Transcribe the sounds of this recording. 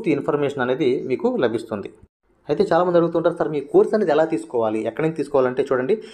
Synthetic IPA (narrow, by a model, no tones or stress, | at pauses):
t̪iinpʰɐɾmeːʂɐnɐne̞ːd̪imiːkulɐbʱist̪und̪i | ɐjt̪e̞ːt͡ʃaːlaːmɐnd̪ɐɽuɡut̪uuɳʈaːɾsaɾmiːkuːɾsɐneːd̪iɛlaːt̪iːsu̥kɔːʋaːliɛkːɐɽint͡ʃ̪t̪iːsukɔːʋaːlɐɳʈe̞ːt͡ʃuːɽɐɳɖi